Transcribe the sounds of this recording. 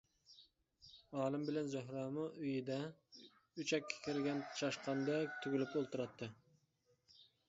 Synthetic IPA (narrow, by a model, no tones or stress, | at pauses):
ɑːlˠɨmbɪlɛnzʊɦɾɑːmɨʔyjɪd̪ɛ | yt͡ʃɛkʲʰːɛ̥kʲʰɪɾɡʲɛnt͡ʃʰɑʃqɑnd̪ɛk̚ʲt̪ʰyɡʲɪlypolˠt̪ɨɾɑt̪ʰːɨ